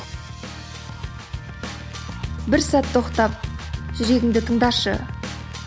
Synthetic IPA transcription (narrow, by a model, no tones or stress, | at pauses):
bɪɾsæt̪ʰːo̞qt̪ɑp̚ʒʏɾe̞ɡʲɪŋd̪ɪt̪ʰəɴd̪ɑʃə̰